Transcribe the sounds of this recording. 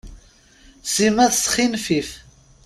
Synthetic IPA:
simæðsχinfif

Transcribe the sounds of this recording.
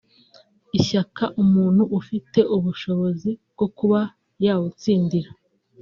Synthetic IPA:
içakaʔumuːn̥huʔːfite̞ʔuβuʃo̞βo̞zibɡ̥o̞kuβa | jaːwut͡siːndiɾa

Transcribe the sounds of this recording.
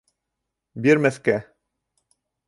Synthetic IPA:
biɾmæθkæ

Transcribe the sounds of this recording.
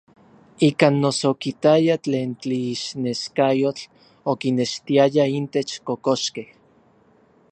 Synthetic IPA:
ikanːosokit̪ajat͡ɬeːnt͡ɬiːʃneʃkajot͡ɬ | okineʃt̪iajaint̪et͡ʃkokoʃkeh

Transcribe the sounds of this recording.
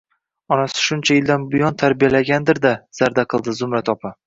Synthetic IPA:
ɒnasɪ̥ʃʊnt͡ʃʰajɪld̪anbʊjɒnt̪ʰaɾbijalaɡʲand̪ɪɾd̪az̥aɾd̪aqʰɨlˠd̪ɪzʊmɾat̪ʰɒpʰa

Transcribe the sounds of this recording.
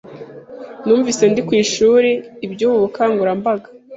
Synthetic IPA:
nuːɱvisendikwiːʃuːɾe̞ibɟuβuβukaːŋɡuɾambaɡa

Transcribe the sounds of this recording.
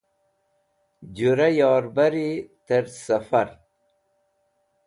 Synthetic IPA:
d͡ʑuɾajɑːɾbaɾit̪ɐɾsɐfaɾ

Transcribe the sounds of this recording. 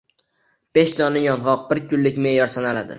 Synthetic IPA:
b̥e̞ʃt̪ɒnɪjɒnʁɒq̚bɪɾkʰʊnːɪkʲmejɒɾsanalad̪ɪ̰

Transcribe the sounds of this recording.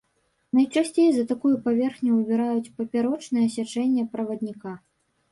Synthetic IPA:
nɐjt͡ʂasʲt͡sʲejzɐt̪akujupavʲɛrxnʲubʲɛɾajut͡sʲpɐpʲaɾɔt͡ʂnɨjɐsʲat͡ʂɛnʲːɐpɾɐvɐd̪ʲnʲika

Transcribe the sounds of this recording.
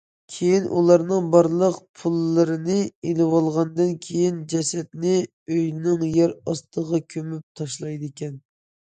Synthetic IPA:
kʲʰejinʔṵlˠɑɾnɨŋbɑɾlˠəqpʰulˠːɨɾɨnɨelɨwɑlˠʁɑnd̪ɨnkʲʰejind͡ʒɛsɛt̪nɪ | øjnɪŋjɛɾɑst̪ʰəʁɑkʲʰømyp̚t̪ʰɑʃlˠɑjd̪ɨekʲɛn

